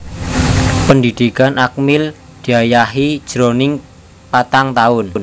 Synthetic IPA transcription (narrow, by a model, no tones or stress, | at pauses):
pəndid̪̥ikanʔak̚mɪl | d̪̥iajaɦid̥ʒ̥ɾonɪŋ | pat̪aŋt̪aʊnn